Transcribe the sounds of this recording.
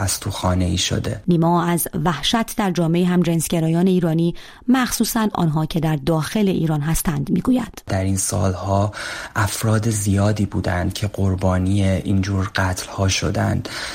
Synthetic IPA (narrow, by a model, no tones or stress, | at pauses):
æst̪ʰuxɒːne̞iːʃo̰d̪e̞̰niːmɒːæzvæhʃæt̪ʰd̪æɾd͡ʒɒːme̞iːɦæmd͡ʒensɟ̥eɾɒːjɒːne̞iːɾɒːniː | mæxsuːsænʔɒ̰ːnɦɒːcʰe̞d̪æɾd̪ɒːxe̞le̞ʔḭːɾɒːnɦæst̪ænd̪miːɡuːjæd̪̥d̪æɾinsɒ̰ːlhɒːʔæfɾɒːd̪ezijɒːd̪iːbuːd̪ænd̪̥̚cʰe̞ɡoɾbɒːniːjeʔind͡ʒuːɾɢæt̪ʰlhɒːʃo̰d̪æ̰nd̪̥